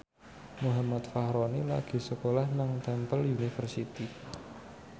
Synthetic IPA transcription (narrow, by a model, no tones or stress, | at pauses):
muɦamat̪fahɾonila̰ɡ̥i̤səkolahnaŋt̪ɛmpəljunifərsit̪i